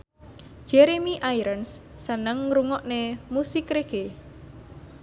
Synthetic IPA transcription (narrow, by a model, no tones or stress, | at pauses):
d͡ʒ̥ɛɾemiʔajɾənsː | ənəŋɾuŋɔʔnemusikɾeɡ̥e